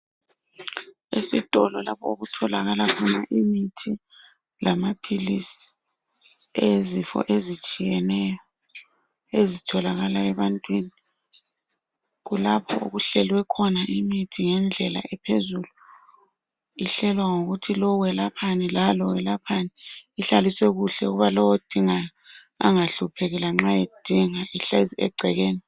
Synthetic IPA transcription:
esitʼɔlɔlapʰɔ̰uɣutʰɔla̰ɣalakʰunaʔimitʰi | lʔamapʰilisi̥ | ezifɔ̰ʔezit͡ʃʼijɛnɛjɔ | ezitʰɔlaɣalaɛβantʼwini | ɣulapʰɔṵɣuɬɛlwɛkʰɔnaʔimitʰiŋɛnd͡ɮʱɛla̰ʔɛpʰezulu | iɬɛlwaŋoɣutʰilɔwɛlapʰanilalɔwɛlapʰaniːɬaliswɛɣuɬɛuɣuβalɔwod̥ʱiŋa | a̰ŋaɬupʰeɣɛlaŋ͡ǁajed̥ʱiŋaʔiɬeziɛ̰ɡ͡ǀʱɛɣeːni

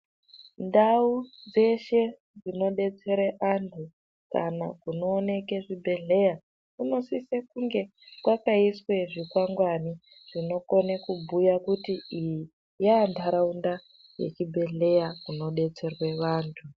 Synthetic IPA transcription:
ndaud͡ze̞ʃe̞ | d͡zino̞ɗe̞t͡se̞ɾeʔantʰu | ka̰na̰kuno̞ːne̞ke̞ʐibʱe̞ɮe̞ja | kuno̞sisekuŋɡe̞ | kwakaiswe̞ʐikwaŋɡwani | ʐ̥ino̞ko̞nekubʱujakutiiji | jaːndʰʱaɾaunda | jḛt͡ʃibʱe̞ɮe̞jakuno̞ɗe̞t͡se̞rwe̞ʋaːntʰu

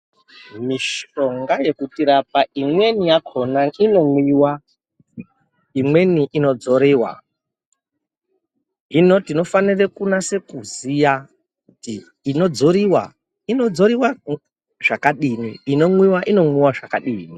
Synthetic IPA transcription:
miʃoŋɡaje̞kutiɾap̚aʔimwe̞nijakʰonaino̞ŋwiːwa | imwe̞niʔino̞d͡zo̞ɾiːwa̰ | ɦino̞tino̞fanirekunase̞kuzija | kutiː | no̞d͡zo̞ɾiwa̰ | ino̞d͡zo̞ɾiwa | ʐakaɗiːniːno̞mwiwaʔino̞mwiwaʐakaɗiːni

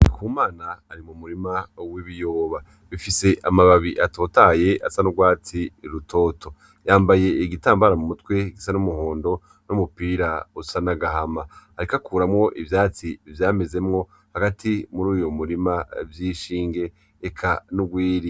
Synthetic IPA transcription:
nkuːmaːnaːɾimumuɾimawiβijo̞ːβa | βifise̞ʔamaβaβiʔato̞ːtaje̞a̰sanuɡwaːt͡siɾutʰo̞ːtʰo̞ | jaːmbaje̞iɡitaːmbaɾamumutwe̞ɡisanumuho̞ːndo̞ | numupiːɾausanaɡahamaːɾikakʰuːɾamŋo̞ʔivjaːt͡sivjaːme̞ze̞mŋo̞ | haɡatʰimuɾuːjomuɾimavjiːʃiːŋɡe̞ː | kʰanuɡwiːɾi

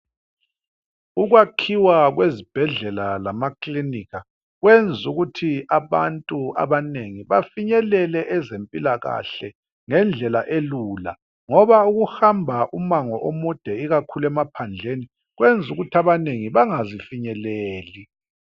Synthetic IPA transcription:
uɣwakʰiwaɣwezib̥ʱɛɮɛlalamakʰʼliniɣa | ɣwend͡zʱuɣutʰiaβa̰ntʼua̰βaneŋiβafiɲɛlɛlɛʔɛzempʼilaɣa̰ɬɛ | ŋɛnd͡ɮʱɛlaʔeluːla̰ | ŋɔβauɣuhambʱaʔumaŋɔʔomud̥ʱɛiɣakʰulɛmapʰand͡ɮʱeni | ɣwend͡zʱuɣutʰaβaneŋiβaŋazifiɲɛleːli

